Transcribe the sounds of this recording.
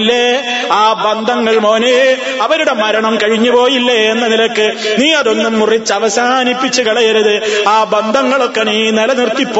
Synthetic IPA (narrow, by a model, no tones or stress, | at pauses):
lːe | aːbɐnd̪ʱɐŋːɐɭmoːne | ɐʋɐɾuɽe̞mɐɾɐɳɐmkɐɻiɲːupo̞ːjilːeenːɐnilɐkːɨniːɐðo̞nːumːurit͡ɕːɐʋɐsaːnipːit͡ɕːɨkɐɭɐjɐɾuðɨaːbɐnd̪ʱɐŋːɐɭokːeniːnilɐnirt̪ːipːo